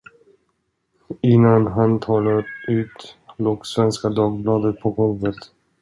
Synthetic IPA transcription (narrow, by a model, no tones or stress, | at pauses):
ɪnːanɦant̪ʰɑːlaɾʉ̟ːt̪loːɡsvɛnskad̪ɑːɡ̚blɑːd̪ət̪̚pʰɔɡɔlvət̪